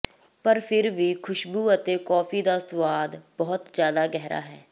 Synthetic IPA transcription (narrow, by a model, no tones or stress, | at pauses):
pəɾpʰɪɾʋiːkʰʊʃbuːət̪eːkɔːfʰiːd̪aːsʊʋaːd̪bɔːt̪zjaːd̪aːɡɛɦɾa̰ːɦɛː